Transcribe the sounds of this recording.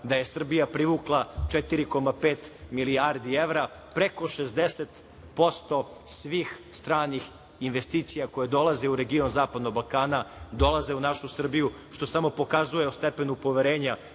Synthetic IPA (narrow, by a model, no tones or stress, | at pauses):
d̪aje̞sr̩bijapɾiʋuːklˠat͡ʃet̪iɾiko̞mapeːt̪miliaɾd̪ie̞ʋɾa | pɾe̞ko̞ʃezd̪eset̪ | po̞st̪o̞ | sʋiːxst̪ɾaːnix | inʋe̞st̪iːt̪sijako̞jed̪o̞lˠaze̞uɾe̞ɡio̞nzaːpad̪no̞ɡ̚balˠkaːnad̪o̞lˠaze̞unaʃusr̩biju | ʃt̪o̞samo̞po̞kazuje̞ost̪epe̞nupo̞ʋeɾe̞ːɲa